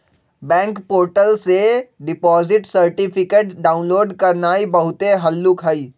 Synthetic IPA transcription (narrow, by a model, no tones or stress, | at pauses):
bɛ̃ːŋkpoːɾʈəlseɖɪpɔːzɪʈsɐɾʈɪpʰɪkeːʈɖaːʊ̃nloːɖkɐɾnaːibɐɦʊt̪eɦɐlːʊkɦɐiː